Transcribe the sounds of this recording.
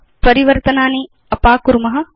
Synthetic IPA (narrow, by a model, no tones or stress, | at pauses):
pɐɾiʋɐɾt̪ɐnaːni | ɐpaːkuɾumɐɦɐ̆